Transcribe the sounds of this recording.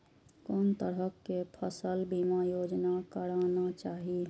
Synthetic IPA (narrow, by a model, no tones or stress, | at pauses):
koːnt̪əɾəkːepʰəsəlbimajod͡ʒnakəɾanat͡ʃaːɦi